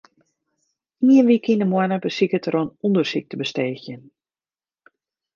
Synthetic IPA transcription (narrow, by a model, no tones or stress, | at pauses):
iənʋikʰindəmwanəbəsikətəronundərsik̚təbəsteːxjən